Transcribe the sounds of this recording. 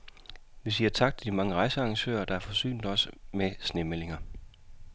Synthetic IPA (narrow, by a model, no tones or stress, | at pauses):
ʋisiːɐt͡sʰɑ̈ɡ̥̚t͡sʰe̝d̥imɑ̈ŋəʁɑ̈ɪsəɑ̈ŋɕø̰ːɐd̥ɑ̈æɐfɒ̽sy̰ːnd̥ɒ̽smesne̝mele̝ŋɐ